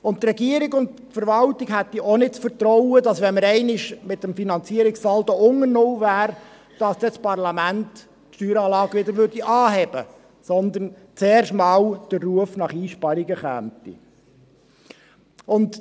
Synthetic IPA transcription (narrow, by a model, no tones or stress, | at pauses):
ʊntːrɛɡiəɾiɡʊnt | fəɾʋɑltiɡɦæt̪ːiʔonɪt̚t͡sfəɾt̪ɾɔwədɑsʋɛnməɾɛɪnɪʃmɪt̪əmfinɑnt͡siəɾiksɑld̥ɔʊŋənowvæːɾ | d̥ɑsd̥ɛt͡spɑrʁlɑmænt̪ | ʃtyːɾɑːlɑːɡʋɪdəɾʋʏɾd̥iʔɑːɦɛb̥ə | sɔnd̪ən | t͡seːɾʃmɑːwd̥ərːuəfnɑχiːʃpɑɾiɡəχæ̰ːmt̪ḭ | ʊnd